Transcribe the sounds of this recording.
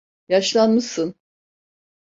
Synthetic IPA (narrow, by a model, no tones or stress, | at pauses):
jaʃlˠanmɯsɯn